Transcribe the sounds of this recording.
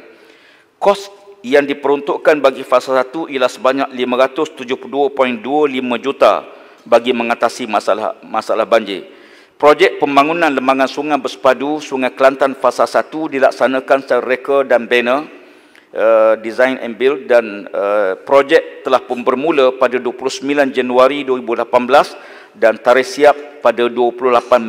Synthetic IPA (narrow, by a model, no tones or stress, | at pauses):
kɔsjaŋdipəɾɔnt̪ʊʔkanbaɡifasalsat̪uʔialahsəbaɲaklimãɾat̪ʊst̪ud͡ʒʊhpuduəpɔinduəlimãd͡ʒut̪a̰ | baɡimə̃ŋat̪asimasa̰la̰masaalahbaɲd͡ʒḭ | pɾod͡ʒɛk̚pəmbaŋunãnləmaŋansuŋabəsə̥padusuŋajkəlant̪anfasalsat̪udila̰k̚sanãkansarekədanbɛnə | ədizajnʔɛ̰nbɪl̚danəpɾod͡ʒɛk̚t̪əlahpʊnbərmuləpadaduəpulʊhsəmbiland͡ʒanuaɾiduəɾibulapanbəlas | dant̪aɾɪhsiap̚ːadaduəpulʊhlapan